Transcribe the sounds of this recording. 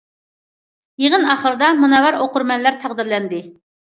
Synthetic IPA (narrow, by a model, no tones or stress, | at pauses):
jeʁənɑχəɾɨd̪ɑmunɑwɑɾoqʊɾmɛnlæɾt̪ʰæʁd̪ɪɾlɛnd̪ɪ